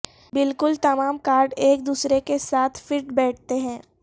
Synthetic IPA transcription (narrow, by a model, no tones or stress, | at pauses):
bɪlkʊlt̪ɐmaːmkaːɾɖeːk̚d̪uːsɾekesaːt̪ʰfɪʈbɛːʈ̚ʰt̪eɦɛ̃ː